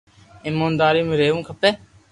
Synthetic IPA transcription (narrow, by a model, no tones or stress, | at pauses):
ɪmoːnd̪aːɾiːmẽːɾeːʋũːkʰəpeː